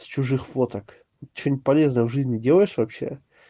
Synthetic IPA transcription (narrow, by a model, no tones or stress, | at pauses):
st͡ɕʊʐɨxfot̪ək | t̪ːʲt͡ɕʲon̚ʲpɐlʲe̞znəjəvʐɨzʲnʲɪdʲelˠəjɪʂvɐpɕːe̞̰